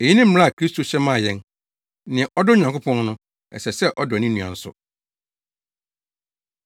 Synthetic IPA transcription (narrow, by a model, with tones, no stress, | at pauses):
e˨ji˦nɪ̃˦m̩˦m̃˦a˦a˨kʰɾi˦stʰo˨ɕɛ˦mã˦˨jɛ̃˦n˦ | nɪ̃˨ʔɔ˦dʊ˦ɲã˨ŋkʰʊ˦pʰɔ̃˦nnʊ̃˦ | ɛ̰˨sɛ˨sɛ˦ʔɔ˦dnɪ̃˦nũ˨a̰˨n̩˦sʊ̰˨